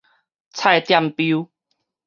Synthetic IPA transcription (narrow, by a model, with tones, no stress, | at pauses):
t͡sʰa˥˧˩jt̪ja˥˧˨mpju˧˦